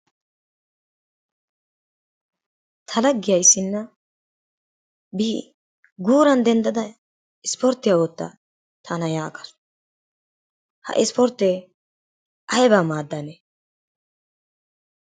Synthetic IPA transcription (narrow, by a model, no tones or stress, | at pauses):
t̪ʰɐlɐɡːɪjɐjsːɪnːɐ | biː | ɡuːɾɐnd̪ɛnd̪ɐd̪ɐ | ɪspɔɾt̪ːɪjawɔt̪ːɐ̰ | t̪ʰɐnɐjaːkɐ̥s | hɐ̰ʔɪspɔɾt̪ːe | ʔɐjbaːmaːd̪ːane